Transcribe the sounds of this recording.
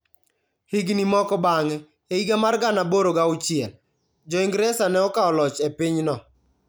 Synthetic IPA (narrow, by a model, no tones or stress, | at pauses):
hɪɡnimɔkɔbaŋɛ | eiɡamarɡanaboɾoɡaʊt͡ʃɪɛl | d͡ʒɔɪŋɡɾɛsanɛɔkaɔlɔt͡ʃepɪɲnɔ